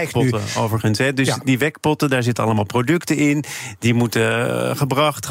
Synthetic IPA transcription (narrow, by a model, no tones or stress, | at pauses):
pɔtəo̰wvəɹχənsɦɛdøsdiʋɛkpɔtədaːɹzɪtəɑ̰ləmaːlˠprowdɵktəɪndimutəχəbrɑχt